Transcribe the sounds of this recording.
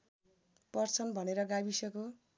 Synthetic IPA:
pʌrt͡sʰʌnbʱʌneɾʌɡabisʌko

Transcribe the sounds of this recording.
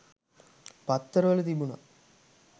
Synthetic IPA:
pɐt̪ːɐɾɐʋɐlɐt̪ibunɐ̰

